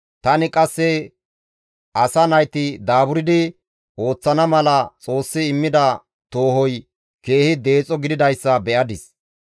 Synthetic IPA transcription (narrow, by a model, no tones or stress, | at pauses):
t̪ɐnɪkʼɐsːɛ | ʔɐsɐnɐjt̪ɪd̪aːbʊɾɪd̪ɪ | o̞ːt͡sːɐnɐmɐlɐt͡sʼo̞ːsːɪːmːɪd̪ɐ | t̪o̞ːhɔj | ke̞ːhɪd̪e̞ːt͡sʼɔɡɪd̪ɪd̪ɐjsːɐbɛʔɐd̪ɪs